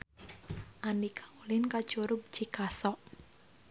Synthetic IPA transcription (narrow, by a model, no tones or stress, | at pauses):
ʔanikʰaulɪnkḁt͡ʃuɾʊb̚d͡ʒ̥ikasɔʔ